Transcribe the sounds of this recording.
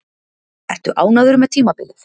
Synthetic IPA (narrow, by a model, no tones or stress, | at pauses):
ɛht̪ʏʔaːwnaðʏɾʏmɛðt̪ʰiːmapɪlɪθ